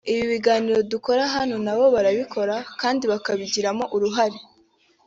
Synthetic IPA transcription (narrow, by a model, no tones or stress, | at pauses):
iβiβiɡaːniɾo̞duko̞ɾaɦanonaβo̞βaɾaβikʰo̞ɾakaːndiβakaβiɟiɾamo̞ʔuɾuɦaɾe